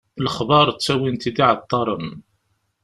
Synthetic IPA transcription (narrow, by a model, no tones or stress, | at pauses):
ləχbɑɾˤt͡sːæwint̪id̪iʕət̪ˤːɑɾˤən